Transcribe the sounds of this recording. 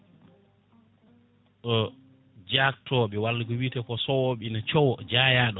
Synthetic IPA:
ʔɔ | d͡ʒak̚tʰɔːɓɛwalːɡɔwitɛkɔsɔwɔɓinat͡ʃɔwɔd͡ʒaːjaːɗɔ

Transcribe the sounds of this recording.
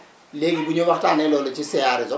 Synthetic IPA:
lek̬ibuɲɔbatʼanɛlɔlɔt͡ʃʰʼisɪaɾizɔ

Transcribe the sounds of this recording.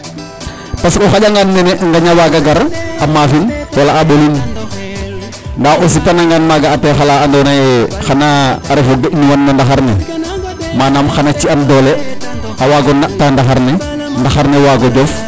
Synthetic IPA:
paskɔxaɟaŋɡanmɛnɛʔŋɡaɲawaːɡaɡaɾamafinwalaaɗolin | ndaʔosipanaŋɡaːnmaɡaːtɛxalaːandɔːnajɛxanaːɾefoɡeʔniwanːandaxaɾnɛ̰ | maːnaːmxanat͡ʃiandɔːlɛ | awaːɡɔnaʔtandaxaɾnɛ | ndaxaɾnewaːɡɔɟɔf

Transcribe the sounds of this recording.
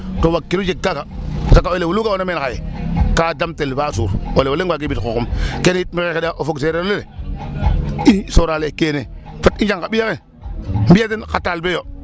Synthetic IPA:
towakːiɾud͡ʒeɡakasakːaolewulukaonomenkajekadamtelbasṵɾolewoleɡwak̬ibitkokumkenitmiexedaʔofokseɾeolele | isoɾalekeːnefutind͡ʒaŋkabijake | m̩bijat̬inkatalbejo

